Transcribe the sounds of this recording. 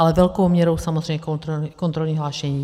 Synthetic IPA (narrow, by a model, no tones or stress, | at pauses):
alɛvɛlkowmɲɛɾowsamɔzɾɛjmɲɛk̪kɔnt̪ɾɔlɲiːɦlaːʃɛɲiː